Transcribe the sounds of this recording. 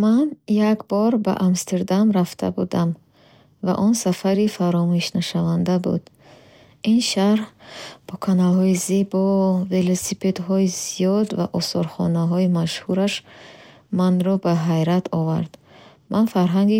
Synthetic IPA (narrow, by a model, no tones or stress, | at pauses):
manjakbɔɾba̰ʔamst̪ʰeɾd̪amɾaft̪ʰa̰bud̪am | va̰ʔɔnsafaɾifaɾɔmuuʃnaʃavand̪abṵd̪ | inʃaɾhb̥ɔkʰanalhɔizebɔve̞losipʰe̞d̪hɔizijɔd̪va̰ʔɔsɔɾχɔ̰naɦɔimaʃhuɾaʃ | manɾɔbaɦajɾat̪ʰɔva̰ɾd̪̥ | mʔanfaɾɦaŋɡi